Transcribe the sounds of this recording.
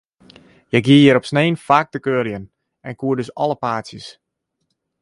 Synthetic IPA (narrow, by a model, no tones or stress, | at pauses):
jɛɡjiəjəɾɔpsneːnfaːk̚təkøːəljən | ɛnkuədøsɔləpaːsjəs